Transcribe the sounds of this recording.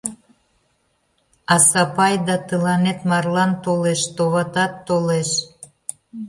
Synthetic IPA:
ɑsɑpɑjd̪ɑt̪əlɑnet̪mɑrlɑnt̪oleʃt̪oβɑt̪ɑt̪ːoleʃ

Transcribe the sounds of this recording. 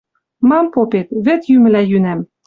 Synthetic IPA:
mɑmpopet̪βɘ̆t̪jymɘ̆læjynæm

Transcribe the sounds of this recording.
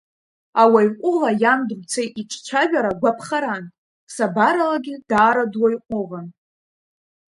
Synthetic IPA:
awajqʷʼʊlajamdrʷt͡sʰejʔiʈ͡ʂʷʰʼt͡ʃʷʰaʒᶣaɾaɡʷapʰχaɾan | sabaɾalaɡʲɪd̥aːɾadwajqʷʼʊʁan

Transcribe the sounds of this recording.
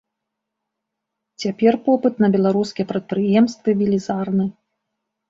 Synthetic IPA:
t͡sʲapʲɛrpɔpɨt̪nɐbʲɛlˠaɾuskʲijɛpɾɐt̪̚pɾɨjɛmst̪vɨvʲilʲizarnɨ

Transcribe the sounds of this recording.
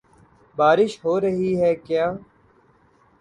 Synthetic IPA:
baːɾɪʃɦoːɾəɦiːɦɛːkjaː

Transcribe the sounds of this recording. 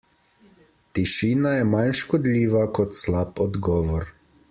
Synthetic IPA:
t̪iʃiːnajɛmanʃkɔd̪lʲiːʋakɔt̪slapɔd̪ɡɔːʋɔɾ

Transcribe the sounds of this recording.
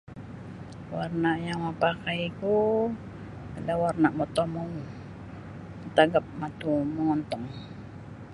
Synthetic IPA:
warnaʔjaŋmapakajku | alawarnaʔmɔt̪ɔmɔŋ | t̪aɡap̚mat̪umɔŋɔnt̪ɔŋ

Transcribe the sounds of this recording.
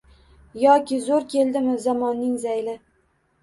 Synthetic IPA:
jɒkʲɪzoɾkʲʰe̞lˠd̪ɪmɪzɒmɒnːɪŋzajlɪ

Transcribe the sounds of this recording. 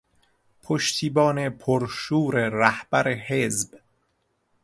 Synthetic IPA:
pʰoʃt̪ʰiːbɒːne̞pʰoɾʃuːɾeɾæhb̥æɾeɦezb

